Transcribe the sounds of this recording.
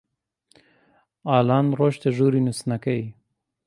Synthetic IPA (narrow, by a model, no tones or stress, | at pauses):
ɑːlɑnɾoʃt̪eʒuɾinusnakawi